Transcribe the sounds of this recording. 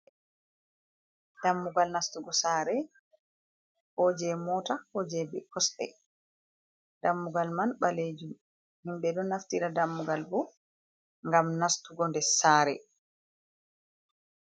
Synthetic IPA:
d̥amːuɡalnastuɡɔsaːɾɛ | hɔd͡ʒɛmɔtahɔd͡ʒɛbɛkɔsɗɛ̰ | d̥amːuɡalmanɓaled͡ʒum | himɓɛdɔnaftiɾadamːuɡalbɔ | ŋɡamnastuɡɔndɛsaɾɛ

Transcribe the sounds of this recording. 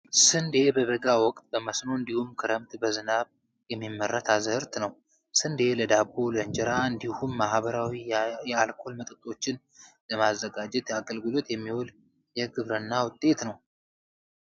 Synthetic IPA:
sɨnd̪e̞bəβəɡawɔkʼt̪̚ʼbəməsno̞ɨnd̪ihumkʰɨɾəmt̪bəzɨnaβ | jɛmːimːəɾːat̪ʰazəɨɾt̪nəw | sɨnd̪e̞ləd̪aboləɲd͡ʒɛɾaɨnd̪ihumːahbəɾawijɛalkʰo̞lmət̪ʼɨt̪ʼːo̞t͡ʃːɪn | ləmazːəɡad͡ʒɛt̪jaɡəlɡɨlo̞t̪jɛmːihol | jɛɡɨβɾənːawʊt̪ʼːe̞t̪nəw

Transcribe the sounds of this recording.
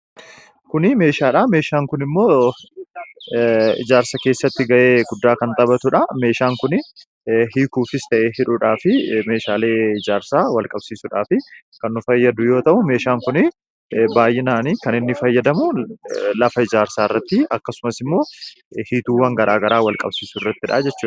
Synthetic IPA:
kʊnɪme̞ːʃaːᶑaːme̞ːʃaːŋkʊnɪmːo̞ː | ɪ̰d͡ʒaːɾsɐke̞ːsːɐt̪ːɪɡɐʔe̞ːɡʊd̪ːaːkɐnt̪ʼɐbɐt̪ʊᶑɐme̞ːʃaːŋkʊnɪ | ɦiːkuːfɪst̪ɐʔeːɦɪᶑʊᶑaːfɪme̞ːʃaːle̞ːɪd͡ʒaːɾsaːwɐlkʼɐbsiːsʊᶑaːfɪ | kɐnːʊfɐjːɐd̪ʊjo̞ːt̪ɐʔʊme̞ːʃaːŋkʊnɪ | baːjʔɛnaːniːkɐnɪnːɪfɐjːɐd̪ɐmʊlɐfɐɪd͡ʒaːɾsaːɪrːɐt̪ːɪɐkːɐsʊmɐsɪmːo̞ː | hiːt̪uːwɐŋɡɐɾaːɡɐɾaːwɐlkʼɐ̰bsiːsʊrːɐt̪ːɪᶑa̰ːd͡ʒɛt͡ʃːuː

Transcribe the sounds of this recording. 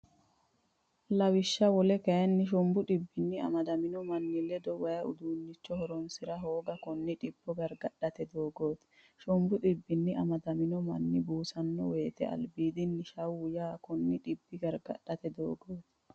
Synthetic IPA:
lɐwɪʃːɐwɔlɛkɐjɐnːɪʃ̬ɔmbʊᶑɪbːɪnːɪɐ̰mɐd̪ɐmɪnɔmɐnːɪlɛd̪ɔwɐjɐʔʊ̰d̪uːnːɪt͡ʃːɔhɔɾɔnsɪɾɐɦo̞ːɡɐkɔnːɪᶑɪb̥ːɔɡɐɾɡɐɗːɐt̪ɛd̪o̞ːɡo̞ːt̪ | ʃɔmbʊɗɪbːɪnːɪɐmɐd̪ɐmɪnɔmɐ̰nːɪbuːsɐnːɔweːt̪ɛ̰ɐ̰lbiːd̪ɪnːɪʃɐwʊjaːkɔnːɪᶑɪbːɪɡɐɾɡɐ̰ɗːɐt̪ɛd̪o̞̰ːɡo̞ːt̪

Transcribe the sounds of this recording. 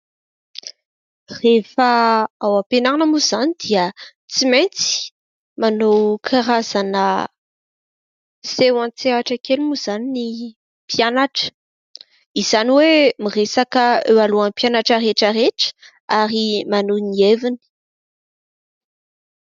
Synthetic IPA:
refaawapenaanəmuz̥anid̪iə | t͡siment͡si̥ | manowkʰaɾaz̥anə | sewãnt͡seaʈ͡ʂakelumuz̥anini | pjanaʈ͡ʂə̥ | iz̥aniwemiresakəewaluapjanaʈ͡ʂəɾeʈ͡ʂəɾeʈ͡ʂə̥ | aɾimanunievini̥

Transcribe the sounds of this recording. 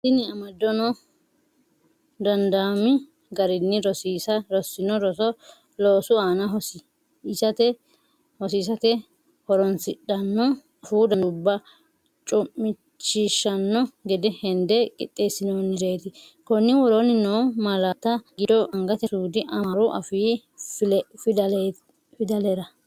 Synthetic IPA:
sɪnɪɐmɐd̪ːɔnɔ | d̪ɐnd̪aːmɪ | ɡɐɾɪnːɪɾɔsiːsɐɾɔsːɪnɔɾɔsɔ | loːsʊaːnɐɦɔsɪ | ɪsɐt̪ɛ | hɔsiːs̬ɐt̪ɛ | hɔɾɔnsɪɗːɐnːɔ | fuːd̪ɐnʊbːɐ | t͡ʃʼʊmːɪ | t͡ʃːiʃːɐnːɔɡɛd̪ɛhɛnd̪ɛkʼɪ̰t̪ʼːe̞ːsɪnonɪd͡ʒeːt̪ɪ | kɔnːɪwɔɾɔnɪnoːmɐlat̪ɐɡɪd̪ɔʔɐŋɡɐt̪ɛsuːd̪ɪʔɐmɐɾʊʔɐ̰fiː | fɐ | fɪd̪ɐlɛɾɐ

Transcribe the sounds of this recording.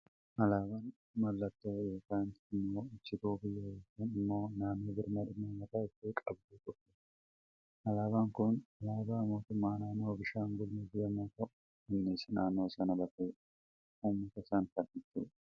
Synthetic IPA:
ʔɐlaːban | mɐlːɐt̪ːoːjoːkaːnɪmːoːʊt͡ʃːɪt̪uːbɪjːɐeːkeːnɪmːo̞ːnaːmiːbɪɾmɐd̪ɪneːmɐt̪aɪt̪ːeːkʼɐbd̪iːt̪ʼɔkːe̥ | ʔɐlaːbaŋkʊnɐlaːbaːmo̞ːt̪ʊmːaːnaːnoːbɪʃaːŋɡʊliːbɪjɐmoːt̪ɐʔʊ | ɪnːeːsɐnaːnoːsɐnɐbɐt̪eː | ʊmːɐt̪ɐɪsɐnfɐnʔɪt̪ːṵːᶑ

